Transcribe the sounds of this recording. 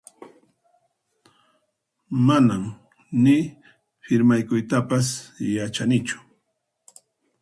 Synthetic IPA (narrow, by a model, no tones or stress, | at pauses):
manam | nɪ | ɸɪɾmajkʊjt̪apas̬jat͡ʃanɪt͡ʃʊ̥